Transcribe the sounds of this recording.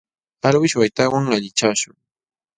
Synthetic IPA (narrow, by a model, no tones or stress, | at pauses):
alwɪʃwajt̪awaŋaʎɪt͡ʃaʃʊŋ